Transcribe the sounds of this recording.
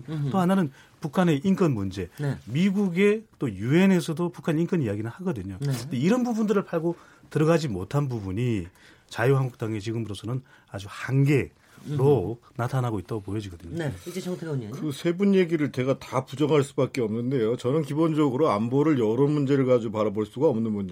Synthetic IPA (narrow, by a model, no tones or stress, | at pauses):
nt͈ohananɯn | pukʰane̞ʔink͈ʌnmund͡ʑe̞nmiɡuɡe̞t͈ojue̞ne̞sʰʌdopukʰaneink͈ʌnijaɡinɯɭhaɡʌdɯɲotoiɾʌnbubundɯɾɯɭpʰaɭɡo | tɯɾʌɡad͡ʑimotʰanbubuɲi | t͡ɕajuɦaŋɡuk̚t͈aŋe̞t͡ɕiɡɯmpɯɾʌsʰʌnɯn | ad͡ʑuhaŋɡe̞ | ɾonatʰanɦaɡoit͈aɡopojʌd͡ʑiɡʌdɯɲeŋtʰeɲkɯsʰe̞bunje̞ɡiɾɯɭt͡ɕe̞ɡatapud͡ʑʌŋɦaɭs͈ubak͈eʌmnɯnde̞jot͡ɕʌnɯnkibond͡ʑʌɡɯɾoamboɾɯɭjʌɾʌmund͡ʑe̞ɾɯɭkad͡ʑuupaɾaboɭs͈uɡaʌmnɯnmund͡ʑe